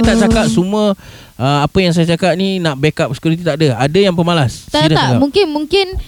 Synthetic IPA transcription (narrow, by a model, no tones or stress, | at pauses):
t̪aʔt͡ʃakat̚sumuə | əmapəjaŋs̬ajat͡ʃakat̪̚nĩnãʔbekap̚si̥kjuɾit̪it̪aʔdəadajaŋpəmalasadaaɡamuŋkɪnmuŋkɪn